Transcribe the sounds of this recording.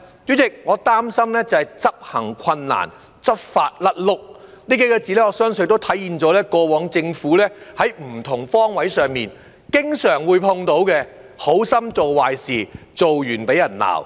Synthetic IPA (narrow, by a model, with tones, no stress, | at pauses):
t͡ʃy˨˥t͡sɪ˨k̚ŋɔː˨˧t̪aː˥msɐ˥mlɛː˥t͡sɐ˨hɐ˨jt͡sɐ˥p̚hɐ̰˨˩ŋkʷʰɐ˧nːa̰ː˨˩n | t͡sɐ˥p̚faː˧t̚lɐ˥t̚lʊ˥k̚niː˥ke˨˥jkɛː˧t͡siː˨lɛː˥ŋɔː˨˧˦sœː˥ŋsɵ˧t̪o˥wt̪ʰɐ˨˥jiː˨˧nt͡sɔː˨˥lɛː˥kɔː˧wɔː˨˥ŋt͡sɪ˧ŋfuː˨˥lɛː˥hɐ˨˥jm̩˨˩t̪ʰʊ˨˩ŋfɔː˥ŋwɐ˨˥jsœː˨ŋmiː˨n | kɪ˥ŋsœː˨˩ŋwuː˨˧jpʰʊ˧ŋt̪o˨˥wkɛː˧ | ho˨˥wsɐ˥mt͡so˨wwaː˨jsiː˨t͡so˨wjyː˨˩npe˨˥jɐ˨˩nla̰ː˨˩w